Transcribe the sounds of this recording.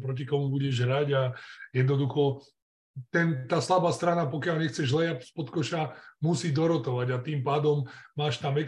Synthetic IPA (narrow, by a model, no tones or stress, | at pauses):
pɾɔc̬ikɔmubuɟɛʒɦɾaɟajɛd̪nɔd̪uxɔ | t̪ɛnt̪aːslabaːst̪ɾanapɔkɪalɲɛxt͡sɛʒzlɛjac̚spɔt̪kɔʃamusiːd̪ɔɾɔt̪ɔʋaɟat̪iːmpaːd̪ɔmːaːʃt̪amɛk